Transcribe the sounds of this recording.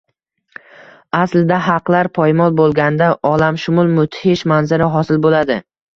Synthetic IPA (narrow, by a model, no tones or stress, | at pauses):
aslɪd̪aɦɑqlaɾpʰɒjmɒlˠbolˠɡʲand̪aʔɒlamʃʊmʊlˠmʊt̪ʰhɪʃmanzɪɾɪɦɒsɪlbolad̪ɪ